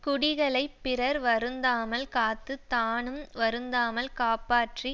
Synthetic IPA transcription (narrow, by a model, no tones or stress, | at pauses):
kʊɽɪɣɐɭɐɪpːɪrɐɾʋɐɾɯnd̪aːmɐlkaːt̪ːɯt̪aːnɯmʋɐɾɯnd̪aːmɐlkaːpaːʈri